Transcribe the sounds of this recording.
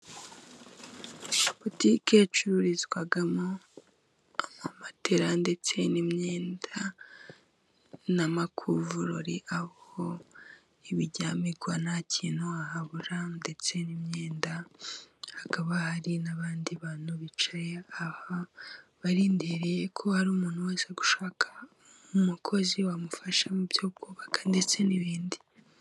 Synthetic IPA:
potiket͡ʃuɾuɾizɡwaɡamo | aamate̞ɾande̞t͡se̞nimɲeːnda | namakʰuvuɾoɾiʔaoo | iβiɟaːmiɡwanacʰinoahaβuɾande̞t͡se̞nimɲeːnda | hakaβahaɾinaβaːndiβaːn̥uβit͡ʃeahaβaɾiːndiɾejekʰo̞haɾuːmuːn̥huweːseɡu̥ʃaːkʰḁ | umukʰo̞ziwamufaʃamubjoːb̚ɡuːβakḁnde̞t͡se̞niβiːndi

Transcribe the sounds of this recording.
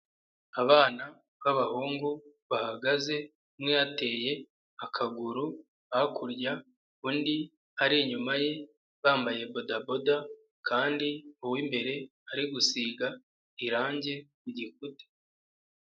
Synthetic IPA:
aβaːna | βaβahuːŋɡuβahaɡaze̞ | mŋejate̞je̞ | akʰaɡuɾu | aakʰuɾɟa | undi | aɾiɲumaje̞ | βaːmbaje̞bo̞dabo̞da | kaːndiuwimbe̞ɾe̞ | aɾiɡusiɡa | iɾaːɲɟe̞ | uɟikute̥

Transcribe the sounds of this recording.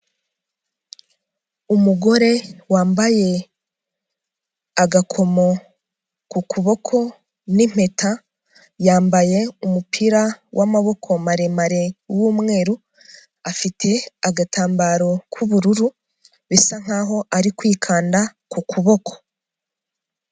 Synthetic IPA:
umuɡo̞ɾe̞waːmbaje̞ | aɡakʰo̞mo | kukʰuβo̞kʰo̞ | nim̥e̞ta | jaːmbaje̞umupʰiɾawʔamaβo̞kʰo̞maɾe̞maɾe̞wuːmŋe̞ːɾu | afitʰe̞aɡatʰaːmbaːɾo̞kʰuβuɾuɾu | βisaŋ̥aːɦo̞ʔaɾikwiːkʰaːndakukʰuβo̞kʰo̞̥

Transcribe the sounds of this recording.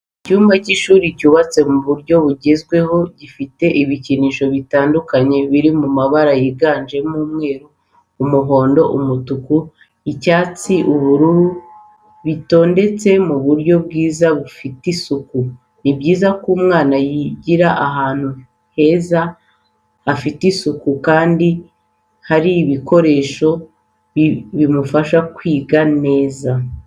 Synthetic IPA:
icuːmbaciʃuːɾiɟuːβat͡se̞muβuɾɟo̞βuɟe̞zɡwe̞ho̞ɟifite̞ʔiβiciniʃo̞βitaːndukaɲe̞βiɾimumaβaɾajiɡaːnd͡ʒe̞muːmŋe̞ːɾuː | muɦo̞ːndo̞ʔumutuku | icaːt͡siʔuβuɾuɾu | βito̞ːnde̞t͡se̞muβuɾɟo̞bɡiːzaβufitisuku | nibɟiːzakuːmŋaːnajiɟiɾaʔaɦaːn̥hu | he̞zaː | fitisukukaːndi | haɾiːβiko̞ɾe̞ːʃo̞ | βimufaʃakwiːɡane̞ːza

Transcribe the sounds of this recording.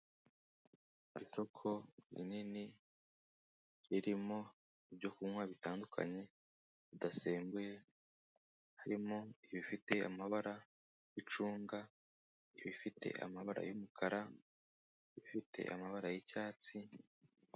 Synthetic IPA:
iso̞kʰo̞ɾḭnini | ɾiɾimo̞ | ibɟo̞kumŋwaβitaːndukʰa̰ɲe̞ | βidaseːŋɡuje | haɾimo̞iβifite̞a̰maβaɾa | jit͡ʃuːŋɡa | iβifite̞̰ʔa̰maβaɾa̰jumukʰaɾa | iβifite̞̰ʔa̰maβaɾajicaːt͡si

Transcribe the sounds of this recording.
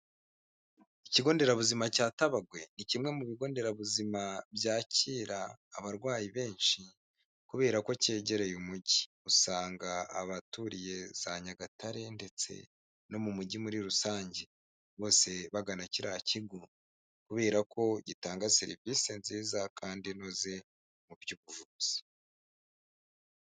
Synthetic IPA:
iciɡo̞ːnde̞ɾaβuzimacaːtaβaɡwe̞nicimŋe̞muβiɡo̞ːnde̞ɾaβuzimabjaːciːɾaːβaɾɡwaːjiβe̞ːnʃi | kuβe̞ːɾako̞ce̞ːɟe̞ɾe̞jumuɟi | usaːŋɡa̰ːβatuɾije̞z̥aɲaɡataɾe̞nde̞t͡se̞̰ | no̞mumuɟimuɾiɾusaːɲɟe | βo̞ːse̞βaɡanaciɾaciɡo | kuβe̞ːɾako̞ɟitaːŋɡaseɾḭvisenziːzakʰaːndinoze | muβjuɡuʒuz̥i̥

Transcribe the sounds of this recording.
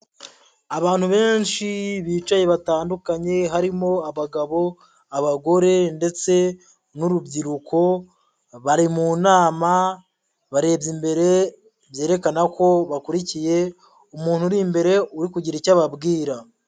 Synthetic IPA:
aβaːnhuβe̞ːnʃiβiːt͡ʃaje̞βataːndukaɲe̞ɦaɾimo̞aβaɡaβo̞ | aβaɡo̞ɾe̞nde̞t͡se̞ | nuɾubɟiɾukʰo̞ | βaɾimunaːma | βaɾe̞ːbɟimbe̞ɾe̞ | βje̞ːɾe̞kanako̞βakuɾicije̞ | umuːnhuɾimbe̞ɾe̞uɾikuɟiɾicaβabɡiːɾa

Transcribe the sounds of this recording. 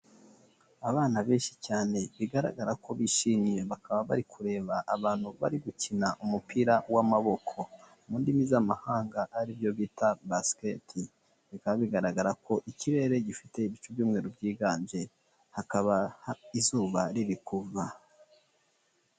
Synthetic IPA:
aβaːnaβeːnʃi̥caːne̞βiɡaɾa̰ɡaɾakʰo̞βiʃimije̞βakʰaβaβa̰ɾikʰuɾe̞ːβaʔːβaːn̥huβa̰ɾiɡucinaʔumupʰiɾawamaβo̞kʰo̞ | muːndimizamahaːŋɡaʔaɾibjo̞βitabasketʰi | βikaβaβiɡaɾaɡaɾakʰo̞ʔiciɾe̞ɾe̞ɟifite̞iβit͡ʃubjuːmŋe̞ːɾobɟiːɡaːnd͡ʒe̞ | hakaβahaizuːβaɾiβikuva

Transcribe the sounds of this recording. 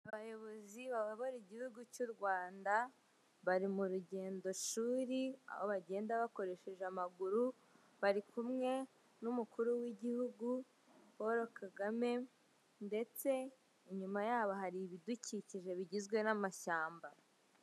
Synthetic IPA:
aβajo̞βo̞ziβaβaβoɾiɟihuɡucuɾɡwaːnda | βaɾimuɾuɟe̞ːndo̞ʃuːɾia̰ho̞βaɟe̞ːndaβako̞ɾe̞ʃe̞ʒeamaɡuɾu | βaɾikʰumŋe̞ | numukuɾuwiɟihuɡu | woɾokaɡame̞ | nde̞t͡se̞ | iɲumajaːβo̞ɦaɾiβiduciciʒe̞βiɟizɡwe̞namaʃaːmba

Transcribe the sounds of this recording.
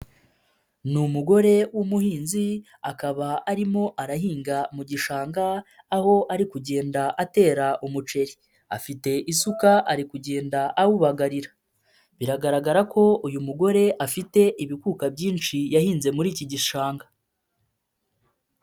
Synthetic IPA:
numuɡo̞ɾe̞wumuhiːnzi | akaβaaɾimo̞ʔaɾahiːŋɡamuɟiʃaːŋɡaː | ho̞ʔaɾikuɟe̞ːndaʔate̞ːɾaʔumut͡ʃe̞ɾi | afite̞ʔisukaʔaɾikuɟe̞ːndaʔawuβaɡaɾiɾḁ | βiɾaɡaɾaɡaɾakʰo̞ujumuɡo̞ɾe̞ʔafite̞ʔiβikuːkabɟiːnt͡ʃijahiːnze̞muɾiːciɟiʃaːŋɡa

